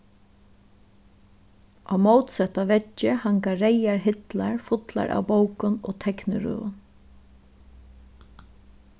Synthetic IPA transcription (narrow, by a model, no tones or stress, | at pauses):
ʔaːmowt̪sɛt̪aʋɛt͡ʃːɪhaŋkaɹejaɹɦɪt̪laɹfʊt̪la̰ɹʔa̰ːwbowkʊno̰ːt̪ʰɛknɪɾʉ̰ːʊ̰n